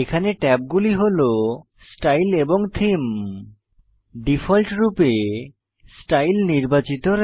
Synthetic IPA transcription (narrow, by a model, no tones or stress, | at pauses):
ekʰaneʈɛp̚ɡuliɦolo | sʈajleboŋt̪ʰim | ɖifʰɔlʈɾupe | sʈajlniɾbat͡ɕit̪oɾ